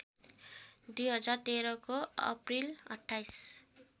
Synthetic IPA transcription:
d̪ujɦʌd͡zart̪eɾʌkoʌ̰prilʌ̰ʈʰːajs

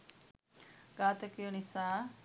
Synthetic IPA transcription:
ɡaːt̪ɐkjonisaː

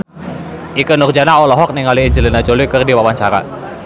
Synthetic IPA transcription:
ʔikənʊrd͡ʒanaɔlɔɦɔk̚nɪŋaliːɲd͡ʒəlinad͡ʒolikərdiwawaɲt͡ʃaɾa̰

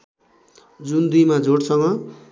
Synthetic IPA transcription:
d͡zund̪ujmad͡zʱoɽsʌŋɡʌ

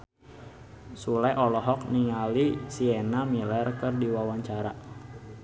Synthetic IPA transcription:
sulajʔɔlɔɦɔk̚niŋalisiɛnamilɛrkɨrdiwawaɲt͡ʃaɾa

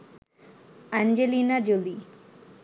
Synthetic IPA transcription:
and͡ʒelinad͡ʒoli

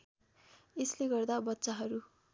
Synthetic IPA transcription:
esleɡʌrd̪abʌtːsaɦʌɾu

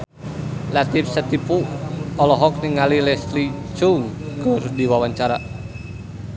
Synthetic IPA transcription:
lat̪if̚sət̪ipuɔlɔɦɔk̚niŋalilɛslit͡ʃuŋkɨrdiwawaɲt͡ʃaɾa

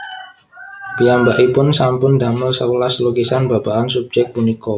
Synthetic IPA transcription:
b̥iambaʔipʊnsampʊndamɪlsəulasloɡisanbabaʔansub̚d͡ʒɛk̚t̪̚muniko

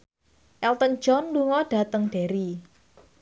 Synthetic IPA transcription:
ʔɛlt̪ən̥d͡ʒɔnluŋɔɖ̥a̤t̪əŋɖ̥eɾi

